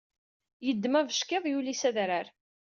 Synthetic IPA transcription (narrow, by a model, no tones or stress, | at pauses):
jəd̪ːmævəʃkeðˤjulisæðɾaɾ